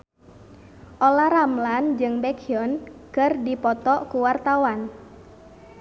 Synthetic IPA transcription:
ʔolaramland͡ʒɨŋbɛkiɔnkɨrdipɔt̪ɔkuwart̪awan

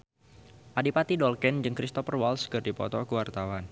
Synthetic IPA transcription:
ʔadipat̪idɔlkɛnd͡ʒɨŋkɾist̪ɔfərwalskɨrdipɔ̰t̪ɔkəwart̪awan

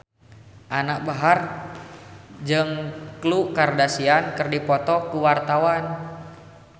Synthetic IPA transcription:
ʔanak̚baɦar | d͡ʒɨŋklukardasiankɨrdipɔt̪ɔkuwart̪awan

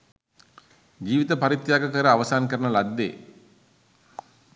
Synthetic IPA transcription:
d͡ʒiːʋit̪əpaɾit̪jaːɡəkəɾəaʋəsaːnkəɾənəlad̪ːḛː

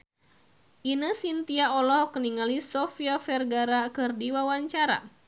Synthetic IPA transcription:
ʔinəsint̪iaʔɔlɔhkəniŋalisɔfiafɛrɡaɾakɨrdiwawaɲt͡ʃaɾa̰

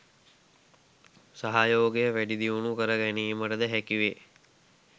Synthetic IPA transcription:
saɦajoːɡejəʋæɖid̪iunukəɾəɡæniːməʈəd̪əɦækiʋe

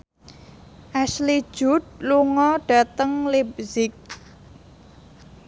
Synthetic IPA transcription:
ʔasli̥ʒ̥ṳt̪̚luŋɔɖ̥a̤t̪əŋlep̚zɪk̚

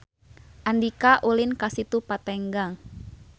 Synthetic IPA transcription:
ʔandikaʔulinkasit̪upat̪ɛŋɡaŋ

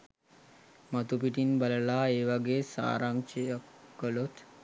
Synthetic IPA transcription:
mət̪upiʈinbaləlaːeːʋaɡeːsa̰ːɾaŋt͡ʃejəkːəlot̪

